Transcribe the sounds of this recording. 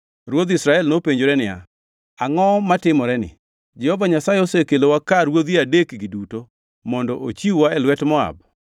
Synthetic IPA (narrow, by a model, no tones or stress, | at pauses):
ɾwod̪isɾaɛlnopeɲd͡ʒoɾɛnɪja̰ | aŋɔmatɪmɔɾɛnɪ̰ | d͡ʒɛhɔvaɲasajɪɔsekelowakaɾwod̪iadekɡiduto | mɔndɔʔot͡ʃiwaɛlwɛtmɔa̰b